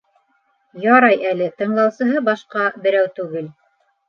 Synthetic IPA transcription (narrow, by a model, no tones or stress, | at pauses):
jɑɾɑjælɘt̪ɤ̆ɴlˠɑwsɤ̆ɦɤbɑʃqɑbɘ̆ɾæwt̪ʉɡɘl